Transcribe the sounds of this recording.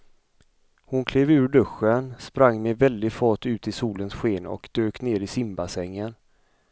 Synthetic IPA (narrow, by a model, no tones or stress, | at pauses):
hʊnkʰleːvʉ̟ːɾɖɵɧːənspɾaŋːmɛvɛld̪ɪfɔʈʉ̟ːt̪ɪsuːlənsɧeːnɔ̰kd̪̥øːkneːɾɪsɪmbasɛŋːən